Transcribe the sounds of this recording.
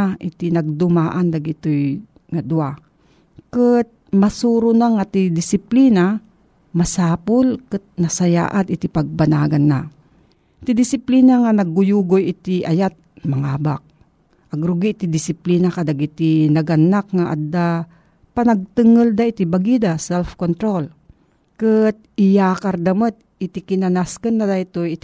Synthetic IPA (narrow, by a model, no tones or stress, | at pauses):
aʔɪt̪inɐɡ̚d̪ʊmaːʔand̪aɡɪt̪oj | ŋad̪ʊa | kət̪̚masuɾʊnaŋat̪id̪ɪsɪplina | masaːpʊlkɨt̪̚nasaja̰ːʔat̪ɪt̪ipaɡ̚banaːɡanːa | t̪ɪd̪ɪsɪpliːnaŋanɐɡːʊjuɡojɪt̪iʔajat̪̚mɐŋaːbak̚ | ʔɐɡɾʊɡiʔt̪id̪ɪsɪplinakad̪aɡit̪inɐɡanːak̚ŋaʔa̰d̪ːa | pɐnɐɡ̚t̪ɨŋəld̪ait̪ibaɡid̪asɛlfkont̪ɾol | kɨt̪̚ɪjakaɾd̪ɐmət̪̚ɪt̪ikɪnanaskənːad̪ait̪ojt̪